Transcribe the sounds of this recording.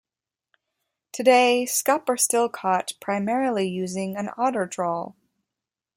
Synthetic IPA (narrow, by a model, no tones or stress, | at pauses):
tʰɨdeɪskʌpə˞stɪlˠkʰɔt̚pʰɹ̥aɪmɛɹl̩ˠijʉzɪ̃ŋɨ̃nɑɾə˞dɹɔlˠ